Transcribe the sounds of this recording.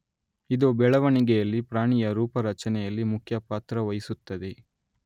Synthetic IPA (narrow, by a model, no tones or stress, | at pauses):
id̪obɛɭɐʋɐɳiɡɛjɐlːipɾaːɳijɐɾuːpɐɾɐt͡ʃɐnɛjɐlːimukʰjɐpaːt̪ɾɐʋɐjisut̪ːɐd̪e